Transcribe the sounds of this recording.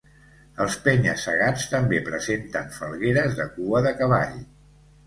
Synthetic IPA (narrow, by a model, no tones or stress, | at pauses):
əlˠspɛɲəsːəɣ̞anst̪əmbepɾəzent̪əɱfəlˠɣeɾəzðəkuəðəkəβ̞a̰ʎ